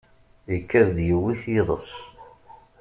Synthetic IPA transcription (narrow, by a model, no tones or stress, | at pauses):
əkːæððjəwːiθjeðˤə̰sˤ